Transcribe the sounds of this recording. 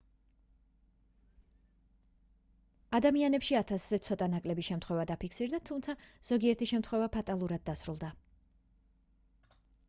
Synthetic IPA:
ad̪amianɛpʃiat̪ʰasz̥ɛt̪sʰɔt̪ʼanakʼlɛbiʃɛmt̪χwɛvad̪apʰikʰsiɾd̪at̪ʰumt̪sʰaz̥ɔɡiɛɾt̪ʰiʃɛmt̪ʰχwɛvapʰat̪ʼalˠuɾad̪̚ːasɾulˠd̪a

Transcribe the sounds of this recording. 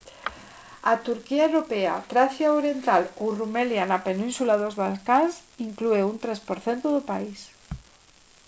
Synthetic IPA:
at̪uɾkiaewɾopea̰t̪ɾaθjaoɾjent̪alowrumeljanapenĩnsulaðozβalkansiŋklueunt̪ɾespoɾθent̪oðopais

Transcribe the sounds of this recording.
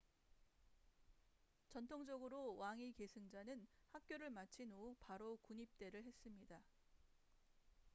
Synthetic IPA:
t͡ɕʌntʰoŋd͡ʑʌɡɯɾowaŋike̞sʰɯŋd͡ʑanɯnhak̚k͈joɾɯɭmat͡ɕʰinopaɾokuɲip̚t͈e̞ɾɯɭɦe̞s͈ɯmɲida

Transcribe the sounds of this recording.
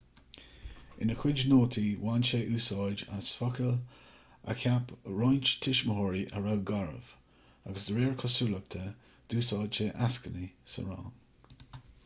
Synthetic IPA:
ɪ̰nəxʰwɪd͡ʒnoːt̪ʰiwaːnʃeːʔuːsɑːd͡ʒa̰sfɔkəl | ə̰kʰapɹɔːjnt͡ʃt̪ʰɪʃməɦɔɹiʔə̰ɹawɡaɹə̰v̥ | aɡəsd̪əɾeːɹkʰɔsuːlək̚t̪ʰə | d̪̥uːsɑːdt͡ʃeːʔaskənisə̰ɹɑ̰ːn

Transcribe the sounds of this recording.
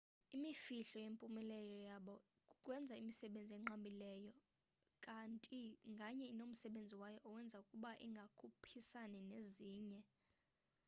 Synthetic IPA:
imifiɬɔjempʼumɛlɛjɔjaɓɔ | kʼukʼwɛnd͡zʱaimisɛɓend͡zʱiɛŋ͡ǃambʱilɛjɔ | kʼantʼiŋɡʱaɲɛinom̩sɛɓend͡zʱiwajɔʔːwɛnd͡zʱaukʼuɓaʔiŋɡʱakʰupʰisanɛneziːɲɛ

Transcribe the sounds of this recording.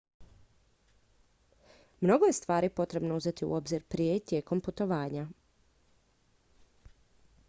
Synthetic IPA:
mno̞ɡoje̞st̪ʋaːɾipo̞t̪ɾe̞bnouze̞t̪iṵo̞bziɾpɾijet̪je̞ːko̞mput̪o̞ʋaːɲa

